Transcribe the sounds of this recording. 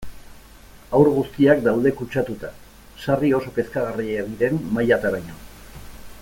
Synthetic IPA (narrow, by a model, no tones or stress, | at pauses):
awɾɣust̪iakd̪awðe̞kut͡ʃat̪ut̪a | sario̞so̞pe̞skaɣ̞arieeɣiɾe̞mmajat̪aɾajɲon